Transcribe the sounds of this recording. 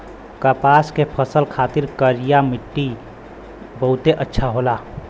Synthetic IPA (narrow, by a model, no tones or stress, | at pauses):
kəpaːskepʰəsəlkʰaːt̪ɪɾkəɾijamɪʈːi | bəɦʊt̪eʔətːʃʰaɦoːlaː